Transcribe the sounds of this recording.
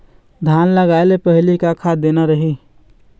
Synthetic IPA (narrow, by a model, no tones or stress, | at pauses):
d̪ʱanləɡaelepəɦilikakʰad̪enaɾəɦi